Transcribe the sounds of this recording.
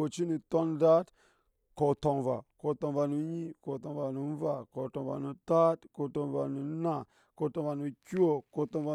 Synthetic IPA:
o˨t͡ʃi˦nu˨to˦nda˦t | ko˨to˨nva̰˨ko˨to˨nva˨nu˨˦ɲi˦ko˨to˨nva˨nu˨˦va˨ko˨to˨va̰˨nu˨ta˦tko˨to˨nva˨nu˨˦na˨ | ko˨to˨va˨nu˨kʲi˦o˦ko˨to˨nva˨

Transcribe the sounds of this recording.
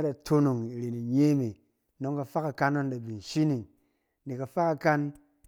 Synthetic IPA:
a˦da˨tʰo˦no˨ŋi˨ɾe˨ni˨ɲe˦mi˨ | no˦ŋka˨fa˦ka˨ka˦no˦nda˨bi˨n˨ʃi˦ni˨ŋ | ni˨ka˨fa˦ka˧ka˦n

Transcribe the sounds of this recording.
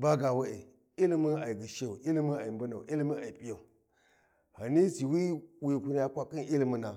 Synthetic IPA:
ba˦ɡa˨wa˦ḛ˨ | i˦li˦mə˦na˨i˨ɡɨ˨ʃe˦˨u˨ʔi˦li˦mə˦na˨i˨mbə˦na˨u˨ʔi˦li˦mə˦a˨i˨pi˦ja˨u˨ | ha˨ni˦si˨wi˦wi˦˨ku˦n˦ja˨kʷa˨kɨ˦nʔi˦li˦mə˦na˨

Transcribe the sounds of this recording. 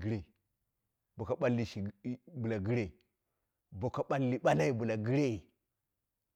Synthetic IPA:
ɡi˦ɾe˨ | bo˨ka˨ɓa˦lːi˨ʃi˨˦bu˨la˨ɡi˦ɾe˦˨ | bo˨ka˨ɓa˦lːi˨ɓa˦la˦i˦bu˨la˨ɡi˦ɾe˦˨

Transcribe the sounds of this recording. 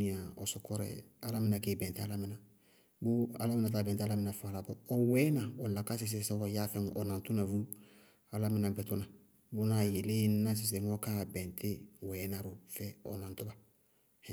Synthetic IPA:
ĩ˦a˨ɔ˨sɔ˨kɔ˦ɾɛ̰a˦la˦mĩ˦na˨kɛ˦bɛ̃˨nte˦a˦la˦mĩ˨na˨ | bo˦a̰˦la˦mĩ˦na˨t̬aː˦bɛ̃˨te˦a˦la˦mi˦na˨fɔ˨a˨la˨bɔ˨ɔ˨wɛ˦nã˨o˨la˨ka˦s̬i˨s̬esɛ˦ɡɔ˨ja˦fɛ̃˦nu˨ʔɔ˨nã˨tu˦na˨vu˦ | a˨la˦mĩ˦na˨bɛ˨to˦na˨ | bo˦na˨je˨lẽ˦na˦s̬i˨s̬e˨ŋo˦ka˦bɛ̃˨ntʰe˦wɛ˨˦na˦ɾo˨fɛ˨ɔ̰˨nã˨nto˦ba˨

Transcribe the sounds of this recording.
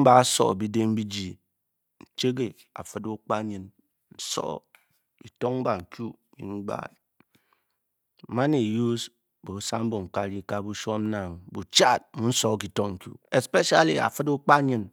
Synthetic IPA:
m̩˦ba˨˦sɔ̰˨bi˦de˦m̩˦bi˦d͡ʒi˨ | n̩˨t͡ʃe˦ɡe˨ | a̰˨fɨ˦du˦k͡pa˦ɲɨ˨n | n̩˦sɔ̰˦ | ki˨tɔ˦ŋŋ͡m̩˦ba˨ŋ̩˨kju˦ | mḭ˨ŋ̩˦ɡ͡ba̰˦˨ | ma˦ne˨ju˦s | bo˨˦sa˦m̩˦bo˨ŋ̩˨ka˦ɾi˦ka˦bu˦ʃɔ˦m̩˦na˨ŋbu˨t͡ʃa˦˨t̚mu˦n̩˦sɔ˦˨k̬i˨tɔ˦ŋŋ̩˨kjṵ˦e˨spe˦ʃa˨lḭ˨a̰˨fɨ˦du˦k͡pa˦ɲɨ˨n

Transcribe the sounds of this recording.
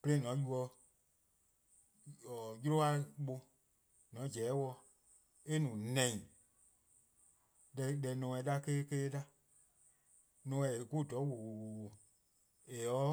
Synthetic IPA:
pə˧lẽ˦ĩ˦nɔ̃˨˦ju˧ɔ˧ | ɔ˨ju˦ɾo˦a˧˦ɓo˧ | nɔ̃˨˦d͡ʒɛː˨˦wɔ˧ | e˦nũː˨nɛ̃˨ĩ˨ | lɛ˧lɛ˨nɔ̃ː˨˧ɛ̃˧˨da˧˦keː˦keː˦da˦ | nɔ̃˧˦ɛ˨ku˦˨dɔ˨˦wo˨ | e˨ɔ˨˦

